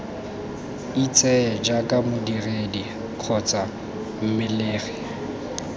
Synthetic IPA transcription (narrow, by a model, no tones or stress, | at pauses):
it͡sʼɛd͡ʒakʼamʊdiredi | q͡χʰɔt͡sʼa | m̩mɪleːɣɛ̥